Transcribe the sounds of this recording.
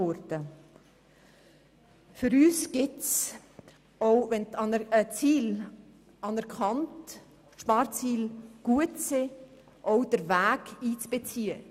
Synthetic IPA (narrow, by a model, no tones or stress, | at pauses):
ɔɾdə | fʏɾyːsɡ̥ɪts | oʊvɛntɑnət͡siːl | ɑnɛɾkʰɑnt | ʃpɑːɾt͡siːlɡ̥uətsɪ | ʔoʊd̥əɾvæːkiːt͡sb̥et͡siːə